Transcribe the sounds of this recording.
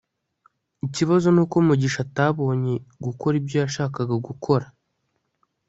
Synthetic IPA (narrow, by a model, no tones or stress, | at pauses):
iciβazo̞nuːkoumuɟiʃataβo̞ːɲe̞ɡuko̞ɾibjo̞jaʃaːkaɡaɡukʰo̞ɾa